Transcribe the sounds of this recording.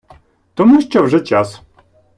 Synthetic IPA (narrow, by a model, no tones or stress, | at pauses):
t̪ɔmuɕt͡ɕɔwʐɛt͡ɕas